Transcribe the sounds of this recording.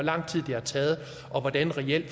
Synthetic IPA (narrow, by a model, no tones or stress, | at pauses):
ɒlɑ̈ŋ̰t͡sʰið̰ˠd̥eæt͡sʰɛːð̞̩ˠ | ʔɒ̽ʋɒd̥ænʁɛel̰̥